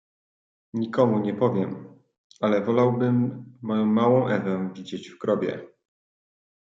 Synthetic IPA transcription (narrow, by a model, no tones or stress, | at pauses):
ɲikɔmuɲɛpɔvʲjɛm | alɛvɔlawbɘmːɔjɔ̃w̃ːawɔ̃w̃ʔɛvɛvʲid͡ʑed͡ʑfkɾɔbʲjɛ̰